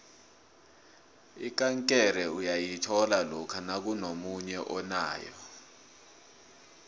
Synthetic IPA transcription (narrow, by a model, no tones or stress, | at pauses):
ik̬ʼaŋkʼɛɾɛujajitʰɔlalɔkʰanak̬unomuɲɛʔɔna̰ːjɔ̰